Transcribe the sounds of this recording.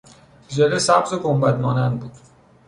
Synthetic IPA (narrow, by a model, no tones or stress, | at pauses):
d͡ʒeɾesæbzokombæd̪mɒːnænd̪buːd̪̥